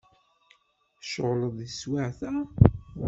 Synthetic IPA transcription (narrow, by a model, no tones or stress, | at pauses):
ʃəʁləðˤəswaʕθæ